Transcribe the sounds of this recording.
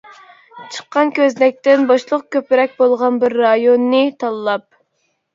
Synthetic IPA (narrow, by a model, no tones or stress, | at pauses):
t͡ʃʰə̥qːɑnkʲʰøzlɛk̚ʲt̪ɪnbɑʃlˠəq̚kʲøpɪɾɛk̚ʲbolˠʁɑnbɪɾːɑjonːɨt̪ʰɑlˠɨlˠɑp̚